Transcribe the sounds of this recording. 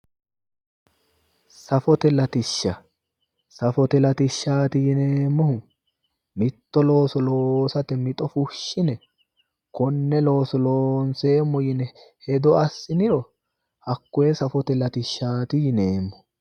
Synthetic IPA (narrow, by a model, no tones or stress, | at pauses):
sɐfɔt̪ɛlɐt̪ɪʃːɐ | sɐfɔt̪ɛlɐt̪ɪʃːaːt̪ɪjɪneːmːɔhʊ | mɪt̪ːɔlo̞ːsɔloːsɐt̪ɛmɪt̪ʼɔfʊʃːɪnɛ | kɔnːɛlo̞ːsɔloːnse̞ːmːɔjɪnɛ | hɛd̪ɔɐsːɪnɪɾɔ | hɐkːɔjɛsɐfɔt̪ɛlɐt̪ɪʃːaːt̪ɪjɪneːmːɔ